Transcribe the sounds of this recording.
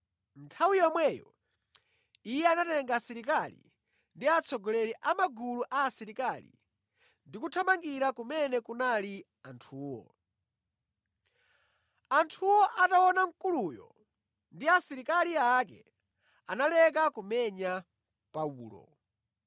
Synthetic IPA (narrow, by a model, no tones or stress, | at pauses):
n̩tʰawijɔmwɛjɔ̰ | ijɛanatɛŋɡasiɾik̬alḭ | ndiat͡sʰɔɡɔlɛɾiʔamaɡuluʔaːsiɾikalḭ | ndikutʰamaŋɡiɾakumɛnɛkunali | antʰuːwɔ̰ | antʰuwɔʔatawɔnaŋkulujɔ̰ | ndiasiɾikaliakɛ̰ | analɛk̬akumɛɲa | pauːlɔ̰